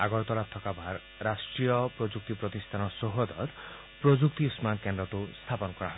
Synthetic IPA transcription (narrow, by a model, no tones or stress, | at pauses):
aɡɔɾt̪ɔlat̪ʰːɔkabʱaɾ | ɾasʈɾiɔpɾod͡ʒuk̚t̪ipɾɔt̪ist̪ʰanɔsoɦod̪ɔ̰t̪ | pɾod͡ʒukt̪iusmankend̪ɾɔt̪ust̪ʰapɔnɔkɔɾaɦɔe